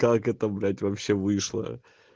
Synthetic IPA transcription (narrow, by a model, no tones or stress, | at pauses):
kakɛt̪əbɾʲætʲvɐpɕːevɨʂlˠə̰